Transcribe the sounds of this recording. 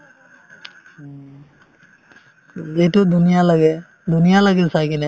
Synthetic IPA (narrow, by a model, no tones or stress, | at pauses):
zeʈud̪unijaləɡɛ | d̪unijaləɡɛsakinɛ